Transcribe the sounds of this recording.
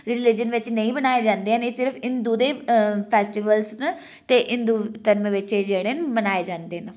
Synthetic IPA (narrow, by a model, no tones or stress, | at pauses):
ɾɪlɪd͡ʒənʋɪt͡ʃnəĩːbənaːeːd͡ʒãːnd̪eːɛnesɪɾpʰɪnd̪uːd̪eːpʰɛːsʈiʋəlsn | t̪eːʔɪnd̪uːt̪əɾmʋɪt͡ʃːd͡ʒeːɽeːnbənaːeːd͡ʒãːnd̪eːn